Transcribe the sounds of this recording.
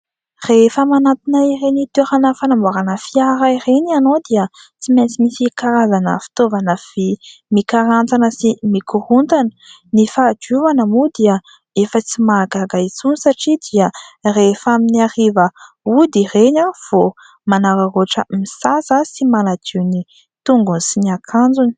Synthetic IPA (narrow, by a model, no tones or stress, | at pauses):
refəmanat̪inairenit̪uɾanəfanamaɾanəfiaɾairenianod̪iə | t͡siment͡simisikaɾazanə̰fi̥t̪ovanəv̥imikaɾant͡sanəsimikuɾunt̪anə̥ | nifad͡ʒuvanəmud̪iə | efət͡simaɡaɡait͡sunisaʈ͡ʂid̪iərefaminiaɾivə | ud̪ireɲav̥o | manaɾaroʈ͡ʂəmisasəsimanad͡ʒ̪iwni | t̪uŋɡunisiniakʰand͡zuni̥